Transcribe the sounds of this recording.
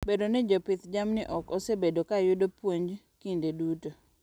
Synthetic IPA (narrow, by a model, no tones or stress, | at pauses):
bedonɛd͡ʒɔpɪt̪d͡ʒamnɪʔɔkɔsebedokajʊdopwoɲd͡ʒ | kindeduto